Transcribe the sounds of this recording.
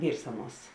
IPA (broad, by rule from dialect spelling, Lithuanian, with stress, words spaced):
ˈʋʲiːrs ˈɑːˌnuɔs